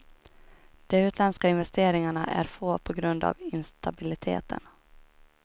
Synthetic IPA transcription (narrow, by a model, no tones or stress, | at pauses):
d̪̥ɛʉ̟ːt̪ʰlɛnskaɪnvɛst̪eːɾɪŋaɳaʔæ̰ɾfoːpʰɔɡɾɵnd̪a̰vɪnst̪abɪlɪt̪ʰḛːt̪ʰə̰n